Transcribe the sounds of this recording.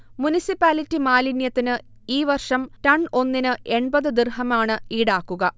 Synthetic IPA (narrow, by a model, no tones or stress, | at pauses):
munisipːaːlitːimaːlinjɐt̪ːinɨ | iːʋɐrʂɐmtɐɳo̞nːinɨʔe̞ɳbɐðɨd̪irɦɐmaːɳɨiːɽaːkːuɣɐ